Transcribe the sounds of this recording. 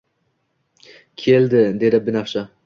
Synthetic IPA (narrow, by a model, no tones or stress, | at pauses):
kʲʰe̞ld̪ɪd̪e̞d̪ɪbɪnafʃa